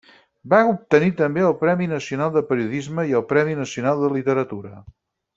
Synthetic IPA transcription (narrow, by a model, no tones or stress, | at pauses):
baup̚t̪ənit̪əmbeəlˠpɾɛminəsiunalˠd̪əpəɾiuðizməiəlˠpɾɛminəsiunalˠd̪əlit̪əɾət̪uɾə